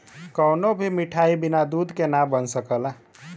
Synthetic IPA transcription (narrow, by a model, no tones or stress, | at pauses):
kəwnobʱimiʈʰaibinad̪ud̪kenabənsəkəla